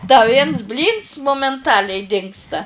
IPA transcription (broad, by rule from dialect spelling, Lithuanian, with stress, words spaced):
dɐ ˈʋʲiɛns ˈbʲlʲiːns moːmʲɛnˈtɑːlʲɛɪ ˈdʲɪŋkstɐ